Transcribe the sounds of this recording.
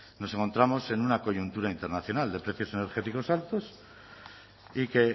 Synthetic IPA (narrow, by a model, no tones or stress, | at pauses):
nose̞ŋko̞nt̪ɾamo̞se̞nunako̞ʝunt̪uɾaint̪e̞ɾnaθjo̞nald̪e̞pɾe̞θjo̞se̞ne̞ɾχe̞t̪iko̞salt̪os | ike